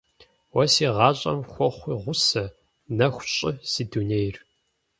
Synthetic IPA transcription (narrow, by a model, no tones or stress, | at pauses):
wɐsiːʁɑːɕʼɐ̰mxʷɔχʷiʁʷʊsɐ | nɐxʷɕʼɪz̥iːdunejr